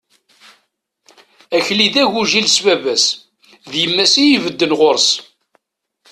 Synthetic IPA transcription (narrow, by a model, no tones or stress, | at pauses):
æçliðæʝuʒilsvævæs | ðjəmːæsijivəd̪ːənʁoɾs